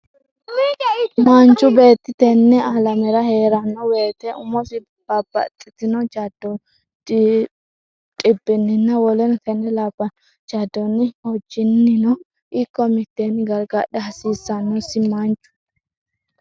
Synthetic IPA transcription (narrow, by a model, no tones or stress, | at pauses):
mant͡ʃʼʊbe̞ːt̪ːɪt̪ɛnːɛɐlɐmɛɾɐhe̞ːɾɐnːɔweːt̪ɛʔʊmɔsɪ | bɐbɐ̰t̪ʼːɪt̪ɪnɔt͡ʃɐd̪ːɔ | tʼɪbːɪnːɪnːɐwɔlɛnt̪ɛnːɛlaːbːɐnɔ | t͡ʃɐd̪ːɔnːɪhɔd͡ʒːɪnːɪnɔ | ʔɪkːɔmɪt̪ːenɪɡɐɾɡɐɗɛɐsiːsːɐnːɔsɪmant͡ʃʼːʊ̥